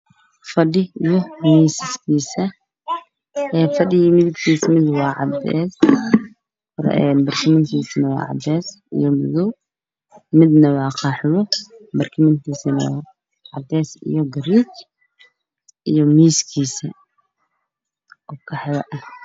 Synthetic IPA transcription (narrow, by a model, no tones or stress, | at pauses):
fɐɗɪʔijɔmiːsɪskʰiːsɐ | ɛːfɐɖɪjimɪðɪɡt̪ʰiːsmɪd̪wɑːʕɑ̰d̪ɛ̰ːs | ɛnbɐrkʰɪmɪnt̪ʰiːsnɐwɑ̰ːʕɑ̰d̪ɛːs | ɪ̰jɔmʊðɔw | mɪd̪nɐwɑːqʰɑːħɪβɔbɐrkʰɪmɪnt̪ʰiːsɪnɐwɑ̰ː | ʕɑd̪ɛːsḭjɔɡɐɾiːt͡ʃ | ʔijɔmiːskʰiːsɐ | ɔkʰɐħɪjɐʔɐ